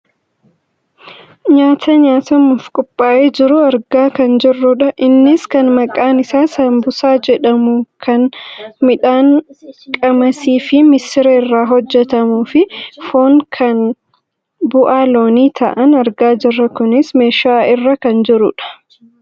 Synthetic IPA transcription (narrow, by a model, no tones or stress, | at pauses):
ɲaːt̪ʰɐɲaːt̪ɐmʊfkʼʊpʼːaːʔeːd͡ʒɪɾʊɐɾɡaːkɐnd͡ʒɪrːʊᶑɐʔɪnːɪskɐnmɐkʼːaːnɪsaːsɐmbʊsaːd͡ʒɛᶑɐmʊkʰɐnmɪᶑaːŋkʼɐmɐsiːfɪmɪsɪɾɐɪrːaːɦɔd͡ʒːɛt̪ɐmuːfɪfoːŋkʰɐn | bʊʔaːlo̞ːniːt̪ʰɐ̰ʔɐnɐɾɡaːd͡ʒɪrːɐkʊnɪsme̞ːʃaːɪrːɐkɐnd͡ʒɪɾʊᶑɐ̥